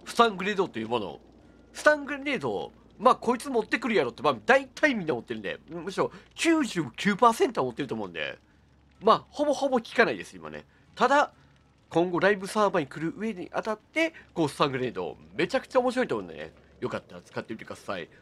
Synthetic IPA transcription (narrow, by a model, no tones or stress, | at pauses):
ɸɯ̥t̪ãŋɡɯ̟ɾe̞d̪ot̪ojɯːmo̞no̰ | sɨ̥t̪ãŋɡɯ̟ɾene̞ːd̪o̞̰ | maːko̞it͡sɨmo̞t̪ːe̞kɯ̟ɾɯ̟jaɾo̞ːt̪ːemad̪ait̪ʰaimʲĩnːaomo̞t̪ːe̞ɾɯ̟nd̪ḛmo̟ɕiɾo̞kʲɨːʑɨːkʲɨːpaːse̞nt̪omo̞t̪ːeɯ̟t̪o̞mo̞ɯ̟̃nd̪ḛ | maːho̞bo̞ho̞bo̞kʲi̥kanaid̪e̞sɨima̰nḛ | t̪ad̪a | kʰõ̞ŋɡo̞ɾaibɯ̟saːbaɲ̟ikɯ̟ɾɯ̟ʔɯ̟e̞ɲḭʔa̰t̪at̪ːe̞koːsɨ̥t̪ãŋɡɯ̟ɾe̞d̪o̞̰ːme̞t͡ɕakɯ̟̥t͡ɕaomo̞ɕiɾo̞it̪omõ̰ːnd̪ḛnḛ | jo̞kat̪ːaɾat͡sɨ̥kat̪ːe̞mʲit̪ek̟d̪̥asa̰ḭ